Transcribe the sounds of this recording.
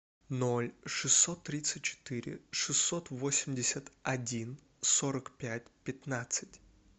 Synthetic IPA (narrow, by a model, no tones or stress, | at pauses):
no̞lʲʂɨsːo̞t̪ːɾʲit̪sɨt̚ʲt͡ɕɪ̥t̪ɨɾʲɪ̰ʂɨsːo̞t̪vo̞sʲɪmʲdʲɪsʲət̪ɐdʲin | so̞ɾəkpʲæt̚ʲpʲɪt̪nat̪sɨ̥tʲ